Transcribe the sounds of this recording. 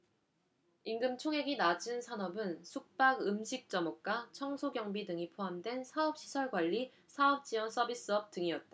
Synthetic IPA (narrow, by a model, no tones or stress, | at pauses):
inɡɯmt͡ɕʰoŋɦe̞ɡinad͡ʑɯnsʰanʌbɯnsʰuk̚p͈aɡɯmɕʰik̚t͡ɕ͈ʌmʌk̚k͈at͡ɕʰʌŋsʰoɡjʌŋbidɯŋipʰoamdwe̞nsʰaʌp̚ɕ͈ʰi̥sʰʌɭɡwaʎːi | sʰaʌp̚t͡ɕ͈iwʌns͈ʰʌbis͈ɯʌp̚t͈ɯŋiʌt̚t͈a